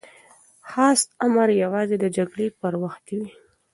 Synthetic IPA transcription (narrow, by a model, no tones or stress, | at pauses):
xɑst̪amaɾjawɑzed̪əd͡ʒaɡɽepəɾwaxt̪ewi